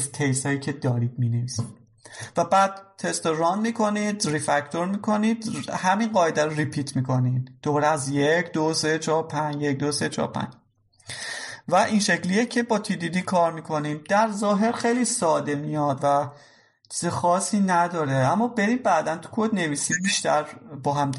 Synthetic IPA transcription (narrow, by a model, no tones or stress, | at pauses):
t̪ʰejst̪ɒːjiːcʰe̞d̪ɒːɾiːd̪̚mine̞viːsid̪̥ | væbæːd̪̥̚t̪ʰe̞st̪oɾɒnd̪miːkʰo̞nid̪ɾifæct̪ʰo̞ɾmiːkʰo̞nid̪̥hæminɢɒːjed̪æɾoɾipʰiːt̪ʰmiːkʰo̞nid̪̥obɒːɾeæzjecʰd̪ose̞t͡ʃʰɒːɾpʰænd͡ʒjec̚d̪oset͡ʃʰɒ̰ɾpʰæ̰nd͡ʒ | væʔinʃe̞clijecʰe̞bɒːt̪ʰid̪id̪ikʰɒːɾmiːkʰo̞nimd̪̥æɾzɒːɦe̞ɾxe̞jliːsɒːd̪e̞mijɒd̪væ | t͡ʃʰizexɒːsiːnæd̪ɒːɾeæmːɒːbe̞ɾiːd̪bæːd̪ænt̪ʰu̥kʰod̪ne̞viːsimbiʃt̪ʰæɾbɒːɦæmd̪